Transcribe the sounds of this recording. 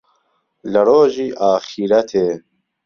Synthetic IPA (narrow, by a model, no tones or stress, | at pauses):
ləɾoːʒiːʔaːxiɾɐt̪ʰeː